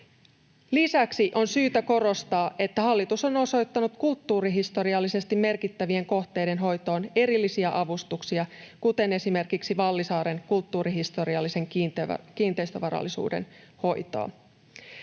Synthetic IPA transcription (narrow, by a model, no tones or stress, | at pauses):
lisæksiʔo̞nsyːt̪æko̞ɾo̞st̪ɑːʔe̞t̪ːæhɑlːit̪uso̞no̞so̞jt̪ːɑnut̪kult̪ːuːɾiɦist̪o̞ɾiɑlːise̞st̪imːe̞rkit̪ːæʋie̞ŋko̞ht̪e̞jde̞nɦo̞jt̪o̞ːne̞ɾilːisiæʔɑʋust̪uksiɑkut̪e̞ne̞sime̞rkiksiʋɑlːisɑːɾe̞ŋkult̪ːuːɾiɦist̪o̞ɾiɑlːise̞ŋk̪ːkiːnt̪ejst̪øʋɑɾɑ̰lːisṵːdḛn | ho̞jt̪o̰ː